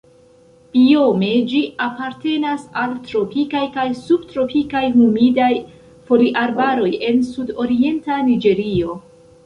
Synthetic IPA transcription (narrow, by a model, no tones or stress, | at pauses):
pio̞me̞d͡ʒiapaɾte̞nasaltɾo̞pikajkajsub̚tɾo̞pikajhumidaj | fo̞liʔaɾbaɾo̞je̞nsudo̞ɾie̞ntanid͡ʒe̞ɾio̞